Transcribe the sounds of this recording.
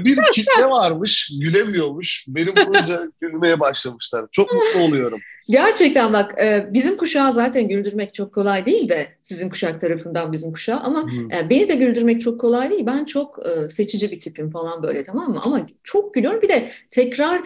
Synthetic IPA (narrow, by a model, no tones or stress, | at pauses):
biɾcʰit̪lɛvaɾmɯʃɟylʲemijo̞ɾmuʃbe̞nimund͡ʒaɟylʲme̞jɛbaʃlˠamɯʃlˠaɾt͡ʃʰo̞k̚mulˠuolˠujo̞ɾumɟæɾt͡ʃʰɛc̚t̪ʰænbakɯːbizimkʰuʃaːzaːt̪ʰænɟylʲd̪yɾmɛc̚t͡ʃʰo̞kʰːo̞lˠajd̪ijilʲd̪ɛsyzinkʰu̥ʃakt̪ʰaɾafɯnd̪anbizimkʰu̥ʃaːʔamaabe̞nid̪ɛɟylʲd̪yɾmɛc̚t͡ʃʰo̞kʰːo̞lˠajd̪eijːilʲbænt͡ʃʰo̞kɯse̞t͡ʃʰid͡ʒibit̪ʰipimfalˠanbø̞̰jlʲɛt̪ʰamamːɯ̰ʔamat͡ʃʰo̞k̚ɟylʲyjo̞ɾumbid̪ɛt̪ʰɛcɾaɾ